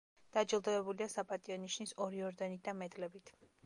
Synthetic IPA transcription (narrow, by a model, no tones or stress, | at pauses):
d̪̥ad͡ʒilˠd̪ɛɛbuliasapʼat̪ʼiɔniʃnisɔɾiɔɾd̪ɛnit̪̚d̪amɛd̪lɛbit̪ʰ